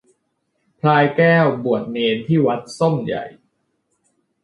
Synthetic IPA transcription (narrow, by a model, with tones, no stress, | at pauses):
pʰlaː˧jkɛː˥˩wbu˨˩ət̪̚neː˧nt̪ʰiː˥˩wa˦˥t̪̚so˥˩mja̰˨˩j